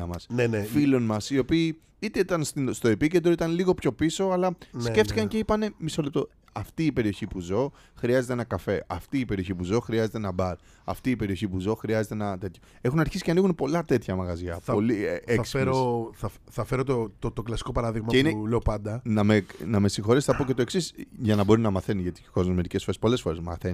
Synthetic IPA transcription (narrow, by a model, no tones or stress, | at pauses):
ɐmɐsnenefilo̞nmɐsio̞piː | it̪eit̪ɐnst̪ist̪o̞e̞piced̪ɾoit̪ɐnliɣo̞pço̞piso̞ɐlɐsce̞ft̪ikɐɲce̞ipɐne̞miso̞lep̚t̪o̞ | ɐft̪iːpe̞ɾio̞çipuzo̞ | xɾiɐzet̪eenɐkɐfe̞ʔɐft̪iːpe̞ɾio̞çipuzo̞xɾiɐze̞t̪e̞nɐbɐɾ | ɐ̰ft̪iːpe̞ɾio̞çipuzo̞xɾiɐze̞t̪enɐt̪e̞t̪ço | e̞xunɐɾçisiceɐniɣunpo̞lɐt̪e̞t̪çɐmɐɣɐzʝɐθpo̞liekseɾoθɐfθɐfe̞ɾot̪ot̪ot̪oklɐsi̥ko̞pɐɾɐðiɣmɐeineleopɐnd̪ɐnɐmenɐme̞sixo̞ɾesθɐpoce̞t̪oeksisʝɐnɐbo̞ɾinɐmɐθe̞niʝɐt̪iko̞zmozmeɾice̞sfoɾespo̞le̞sfo̞ɾe̞zmɐ̰θeni